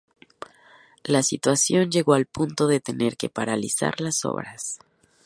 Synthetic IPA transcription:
lasit̪wasjo̞nd͡ʒe̞ɣo̞alpunt̪o̞ðe̞t̪e̞ne̞ɾke̞paɾalisa̰ɾlaso̞̰βɾas

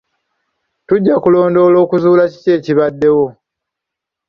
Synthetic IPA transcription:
tuɟːakulo̞ːndo̞ːlo̞ːkuzuːlaci̥ce̞ːciβadːe̞wo̞

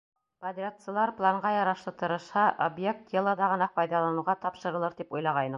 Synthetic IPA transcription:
pɐd̪rʲasə̆ɤ̆lˠɑɾplˠaɴʁɑjɑɾɑʃlˠɤt̪ɤ̆ɾɤ̆ʃhɑʔobjek̚t̪jelˠɑd̪ɑʁɤ̆nɑpɑjðɑlˠɑnɤ̆wʁɑt̪ɒpʃɤ̆ɾɤ̆lˠɤɾt̪ipujlˠɑʁɑjnɤ

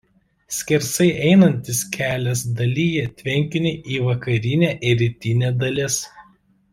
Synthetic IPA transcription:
sʲkʲɪɾsɐɪʔɛɪnɐnʲt̪ʲɪskʲʰæːlʲɛs̬d̪ɐlʲiːjɛt̪ʲʋʲɛŋʲkʲɪnʲɪʔiːʋɐkɐɾʲɪnʲæʔɪɾʲɪt̪ʲɪnʲɛːd̪ɐlʲɪs

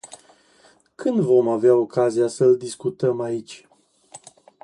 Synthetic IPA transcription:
kʰɨnd̪vo̞maveao̞kaziasəld̪iskut̪əmait͡ʃʲ

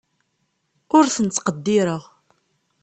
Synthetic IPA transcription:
ʊɾθənt͡s̪ːqəd̪ːɪɾəʁ

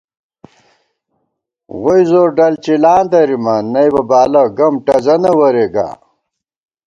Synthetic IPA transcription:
ʁojzoːɾɖɐlt͡ɕilaːnd̪ɐɾimɐnɐjbɐbaːlɐɡɐmʈɐzɐnɐwɐɾeɡa̰

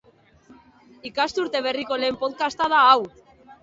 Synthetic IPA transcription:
ikast̪uɾt̪e̞β̞e̞riko̞le̞ːmpo̞ðkast̪að̞aːw

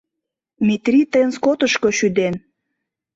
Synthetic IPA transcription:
mit̪rʲit̪əjənskot̪əʃkoʃyd̪en

